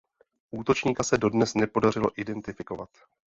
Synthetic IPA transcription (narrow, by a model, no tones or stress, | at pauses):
ʔuːt̪o̞t͡ʃɲiːkasɛdo̞dnɛsnɛpo̞darɪlo̞ʔɪdɛnt̪ɪfɪko̞vat̪